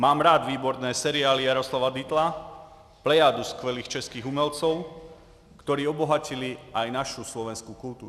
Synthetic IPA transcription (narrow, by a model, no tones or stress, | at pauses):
maːmɾaːd̪ʋiːbɔɾnɛːsɛɾiaːlijaɾɔslaʋad̪it̪la | plɛjaːd̪uskʋɛliːxt͡ʃɛskiːɣumɛlt͡sɔʊ | kt̪ɔɾiːɔbɔɦaciliajnaʃuslɔʋɛnskukult̪uːɾu